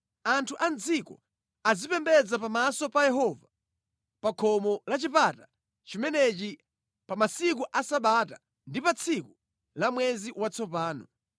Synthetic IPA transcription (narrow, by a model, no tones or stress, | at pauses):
antʰuʔand͡zikɔ̰ | azipɛmbɛd͡zapamasɔpajɛɦɔva | pakʰɔmɔlat͡ʃipata | t͡ʃimɛnɛt͡ʃi | pamasikuʔasaɓata | ndipat͡sʰiku | lamwɛziwat͡sʰɔpaːnɔ̰